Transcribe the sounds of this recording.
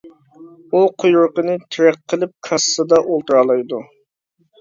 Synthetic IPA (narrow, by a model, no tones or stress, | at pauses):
uqʰʊjʊɾqənɨt̪ʰɪɾɛqʰːəlˠɪp̚kʰɑssɨd̪ɑʔolˠt̪uɾɑlˠɑjd̪u